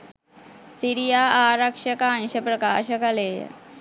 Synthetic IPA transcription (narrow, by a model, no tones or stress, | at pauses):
siɾijaːaːɾɐkʂɐkaːnɕɐpɾɐkaːʃɐkɐleːj̰